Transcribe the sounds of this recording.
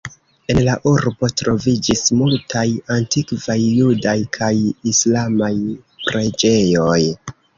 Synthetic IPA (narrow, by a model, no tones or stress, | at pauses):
e̞nlaʔuɾbo̞tɾo̞vid͡ʒismultajantikvajːudajkʰajislamaj | pɾe̞d͡ʒe̞jo̞j